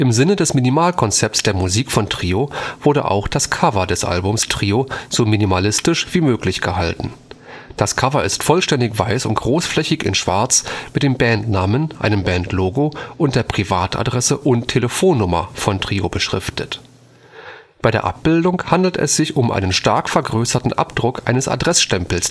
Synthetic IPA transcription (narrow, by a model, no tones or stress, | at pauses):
ʔɪmzɪnədɛsmɪnimaːlkʰɔnt͡sɛp̚tsd̥eːɐmuziːkfɔntʁ̥iːov̥ʊɐdə̰ʔa̰ʊxd̥askʰavɐdɛsʔa̰lbʊmstʁ̥iːoz̥oːminimalɪstɪʃv̥iːmøːklɪçɡ̥əɦaltn̩ | d̥askʰavɐɪstfɔlʃtɛndɪçv̥aɪsʊnt̚ɡ̥ʁoːsflɛçɪçɪ̰nʃv̥a̰ɐt͡smɪtd̥eːmbɛntnaːmənʔa̰ɪnəmbɛntʰloːɡoʔʊnt̚d̥eːɐpʁ̥ivaːtʰa̰dʁɛsəʔʊntʰːeləfoːnːʊmɐ̰fɔntʁ̥iːobəʃʁ̥ɪ̰ftʰət | b̥aɪɾeːɐʔa̰p̚b̥ɪldʊŋhandl̩tɛ̰sz̥ɪçʊmʔa̰ɪnənʃtaɐkfɛɐɡʁøːsɐtn̩ʔa̰pd̥ʁʊkʔa̰ɪnəsa̰dʁɛsʃtɛmpl̩s